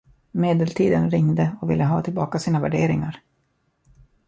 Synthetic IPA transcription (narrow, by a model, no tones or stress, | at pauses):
meːd̪əlt̪ʰiːd̪ənɾɪŋd̪əɔkvɪ̰lːəɦɑːt̪ʰɪlbɑːkasiːnavæ̰ɖeːɾɪŋaɾ